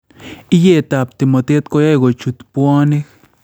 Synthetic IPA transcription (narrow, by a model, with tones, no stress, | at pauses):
i˦je˧t̪a˨p̚t̪i˨mo˨t̪e˦t̪ko˧ja˦ɡo˨t͡ʃu˨t̪pwa˦ni˦k